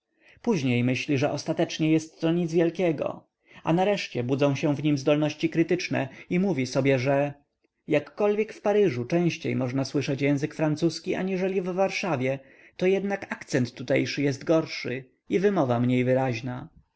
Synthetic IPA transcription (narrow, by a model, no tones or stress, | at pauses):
puʑɲejmɘɕlʲiʐɛʔɔst̪at̪ɛt͡ʂɲɛjɛst̪ːɔɲid̪zvʲjɛlkʲɛɡɔ̰ | a̰naɾɛʂt͡ɕɛbud̪zɔ̃w̃ɕɛ̃vɲimzd̪ɔlnɔɕt͡ɕikɾɘt̪ɘt͡ʂnɛ̰imuvʲisɔbʲjɛʐɛ | jakːɔlvʲjɛkfpaɾɘʐut͡ʂɛ̃w̃ɕt͡ɕḛjmɔʐnaswɘʂɛt͡ɕjɛ̃w̃zɘkfɾant̪suskʲiʔa̰ɲiʐɛlʲivːaɾʂavʲjɛ | t̪ɔjɛd̪nakakt̪sɛnt̪ːut̪ɛ̰jʂɘjɛst̪ɡɔɾʂɘ̰ | ivɘmɔvamɲejvɘɾaʑna